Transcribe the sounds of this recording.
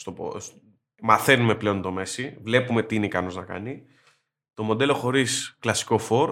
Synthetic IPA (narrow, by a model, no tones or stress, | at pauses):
st̪opo̰s | mɐθe̞nume̞ple̞o̞nt̪o̞me̞sivle̞pume̞t̪iineikɐno̞znɐkɐ̰ni | t̪o̞mo̞d̪e̞lo̞xo̞ɾisklɐsi̥ko̞fo̞ɾ